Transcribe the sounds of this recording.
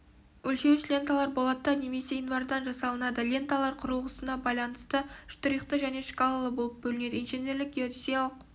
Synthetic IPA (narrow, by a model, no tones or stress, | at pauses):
wɵlʃe̞wɪʃlʲe̞nt̪alˠɑɾbo̞lˠɑt̪ːɑne̞me̞se̞envɑɾd̪ɑnʒɑsɑlˠənɑd̪əlʲe̞nt̪alˠɑɾqʰʊɾəlˠʁəsənɑbɑjlˠɑnəst̪əʃt̪ʊɾijqt̪əʒæne̞ʃkalˠalˠəbo̞lˠəp̚bɵlɪne̞d̪əinʒene̞ɾlɪk̚ɡʲiod̪isijalˠəq̚